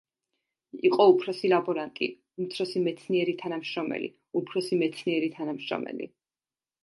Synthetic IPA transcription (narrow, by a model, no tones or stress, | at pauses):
iqʼɔupʰɾɔsilabɔɾant̪ʼḭ | umt̪sʰɾɔsimɛt̪sʰniɛɾit̪ʰanamʃɾɔmɛ̰lḭ | upʰɾɔsimɛt̪sʰniɛɾit̪ʰanamʃɾɔ̰mɛ̰lḭ